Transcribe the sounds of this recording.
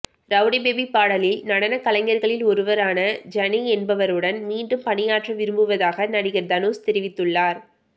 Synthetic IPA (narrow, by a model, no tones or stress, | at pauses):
ɾɐʋɽɐbeːbipːaːɽɐlɪlnɐɽɐnɐkɐlɐŋːɐɾɣɐɭɪlɔɾɯʋɐɾaːnɐd͡ʒɐnɛɛnbɐʋɐɾɯɽɐnmiːɳɖɯmpɐnɪjaːʈrɐʋɪɾɯmbɯʋɐðaːɣɐnɐɽɪɣɪɾd̪ɐnoːst̪ɛɾɪʋɪt̪ːɯɭːaːɾ